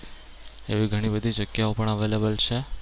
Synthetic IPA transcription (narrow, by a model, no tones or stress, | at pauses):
eʋiɡʱəɽ̃ibəd̪ʱid͡ʒəɡjaopəɳəʋelebəlt͡ʃʰe